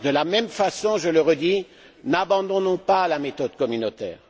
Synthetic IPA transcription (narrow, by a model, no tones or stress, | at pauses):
d̪əlamɛmfasɔ̃ʒələʁəd̪i | nabɑ̃d̪ɔ̃nɔ̃palamet̪ɔd̪kɔmynot̪ɛ̰ːʁ